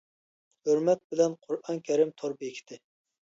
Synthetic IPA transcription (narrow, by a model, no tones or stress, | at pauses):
høɾmɛt̪̚bɪlɛnqʰʊɾɑŋkʲʰɛɾɪmt̪ʰoɾbekʲʰi̥t̪ʰɪ